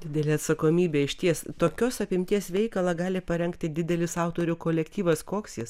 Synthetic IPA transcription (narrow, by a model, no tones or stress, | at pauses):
d̪ʲɪd̪ʲɛlʲeːɐt̪sɐkoːmʲiːbʲeːɪʃʲt̪ʲiɛst̪oːkʲoːsɐpʲɪmʲt̪ʲiɛsʋʲɛɪkɐlˠɐɡɑːlʲɪpɐɾʲɛŋkt̪ʲɪd̪ʲɪd̪ʲɛlʲɪsɑʊt̪oːɾʲukoːlʲɛkt̪ʲiːʋɐskoːksjɪs